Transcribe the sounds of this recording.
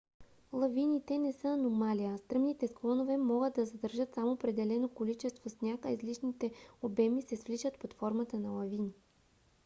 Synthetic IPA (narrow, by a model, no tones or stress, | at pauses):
lˠɐvinit̪ɛnɛsɤɐnomaliəst̪ɾɤmnit̪ɛsklˠɔnovɛmɔɡəd̪̚ɐzɐd̪əɾʒɤt̪samoːpɾɛd̪ɛlɛnokolit͡ʃɛst̪vosnʲakəizliʃnit̪ɛobɛmisɛsflit͡ʃət̪pot̪fɔɾmɐt̪ənɐlˠɐvini